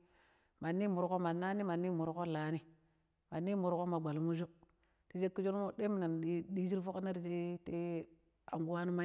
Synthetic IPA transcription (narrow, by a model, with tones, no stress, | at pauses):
ma˨nːi˦mu˨ɾko˦ma˨na˦ni˦ma˨nːi˦mu˨ɾko˦la˨˦ni˦ | ma˨nːi˦mu˨ɾko˦ma˨ɡ͡ba˨lmu˦d͡ʒo˦ | ti˦d͡ʒe˦kːi˦d͡ʒo˦n˦mo˦de˦mi˨na˨n˨˦di˦d͡ʒi˦ɾfo˦kna˦ɾi˨te˦te˦ | a˨ŋɡu˦wa˦nu˦ma˦